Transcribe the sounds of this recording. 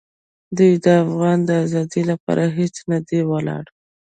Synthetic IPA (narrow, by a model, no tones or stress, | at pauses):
d̪ujd̪əafɣɑnd̪əazɑd̪ilapɑ̰ɾʔaɦet͡snad̪ewəlɑ̰ɽ